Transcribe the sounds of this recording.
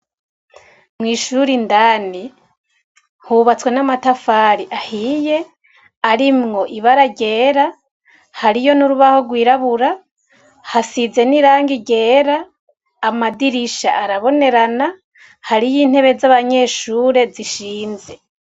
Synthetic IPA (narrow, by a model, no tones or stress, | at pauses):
mŋiːʃuɾindaːni | huβat͡swe̞namatafaːɾiʔahije̞ | aɾimŋo̞ʔiβaɾaɟe̞ːɾa | haɾijo̞nuɾuβaho̞ɡwiːɾaβuɾa | hasize̞niɾaːŋɡiɟe̞ːɾaː | madiɾiʃa̰ʔaɾaβo̞ne̞ɾana | haɾijiːn̥he̞βe̞zaβaɲe̞ːʃuːɾe̞ziʃiːnze̞